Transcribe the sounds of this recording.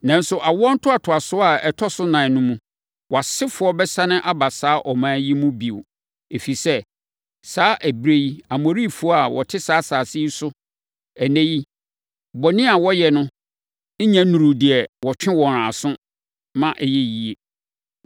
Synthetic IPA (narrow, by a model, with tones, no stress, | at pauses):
nã˨n̩˦sʊ˨ʔa˨wɔ̃˦n̩˦tʰʊ˦a˨tʰʊ˨a˨sʊ˦a˨ɛ˨tʰɔ˦sʊ˦nã˨nʊ̃˦mũ˦ | wɔ˨a˨sɪ˦fʊ˨˦ɔ˦bɛ˦sã˦nɪ̃˦ʔa˦ba˨saː˦ʔɔ˨mãː˨˦ji˦mũ˦bi˨wʊ˨ | e˨fi˨sɛ˦ | saː˦ʔæ˨bɾe˦ji˦a˨mo˨ɾi˦˨fʊ˦ɔ˦a˨wɔ˨tʰɪ˦saː˦saː˨sɪ˦i˦sʊ˦ | æ˨næ̃˦ji˦ | bɔ˨nɪ̃˦a˨wɔ˦jɛ˨nʊ̃˦ | ɲæ̃˦nũ˨ɾu˨dɪ˨ɛ˨wɔ˨t͡ɕᶣɪ̃˦wɔ̃˨ɾã˨sʊ̃˦ | mã˦ʔɛ˨jɛ˦ji˨e˨